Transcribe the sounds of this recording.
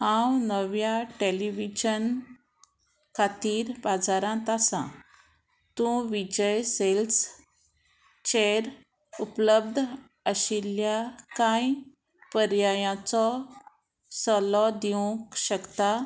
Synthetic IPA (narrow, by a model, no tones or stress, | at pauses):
hãwnəʋjaʈeliʋid͡ʑən | kʰat̪iːɾbad͡zaɾãt̪asã̰ | t̪ũʋid͡ʑəjsels | t͡ɕeɾ | upləb̚d̪ʱ | əɕiljakãj | pəɾjajãt͡sɔ | səlɔd̪iũkɕəkt̪a